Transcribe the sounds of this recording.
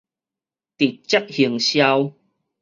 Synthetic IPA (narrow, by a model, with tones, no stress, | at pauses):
t̪i˨˩t̚t͡ɕa˦˥k̚hi˨˩əŋɕja˧w